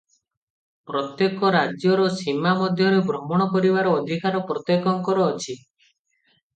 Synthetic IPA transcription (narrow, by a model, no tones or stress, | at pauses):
pɾɔt̪jekɔɾad͡ʒjɔɾɔsimamɔd̪ʱjɔɾebɾɔmɔɽ̃ɔkɔɾibaɾɔːd̪ʱikaɾɔpɾɔt̪jekɔŋkɔɾɔːt͡ʃʰi